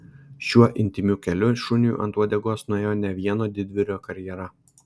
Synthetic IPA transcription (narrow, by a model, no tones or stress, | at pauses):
ʃʲuɔʔɪnʲt̪ʲɪmʲukʲɛlʲʊʃʊnʲjṵʔɐ̰nt̪ɾuɔd̪ʲɛɡoːsnʊeːjoːnʲɛʋʲiɛnoːd̪ʲɪd̪ʲʋʲɪɾʲoːkɐɾʲjɛɾɐ